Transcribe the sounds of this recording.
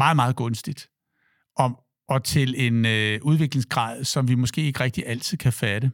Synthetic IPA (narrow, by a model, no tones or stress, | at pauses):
mɑ̈ːð̩ˠmɑ̈ːð̞̩ˠɡ̥ɔ̽nsd̥id̥ | ʔɒ̽ | ɒ̽t͡sʰe̝le̝nøʔuð̞ˠʋe̝ɡ̥le̝ŋsɡ̥ʁɑ̰̈ːðˠsɒ̽mʋimɔ̽sɡ̥e̝̰ːe̝ɡ̥ʁɛɡ̥̚d̥iʔæl̰t͡sʰið̞̰ˠkʰæfæɾə